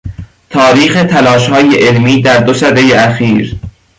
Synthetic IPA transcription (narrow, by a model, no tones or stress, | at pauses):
t̪ʰɒːɾiːxe̞t̪ʰælɒːʃhɒːjeʔelmiːd̪æɾd̪osæd̪ejeæxiːɾ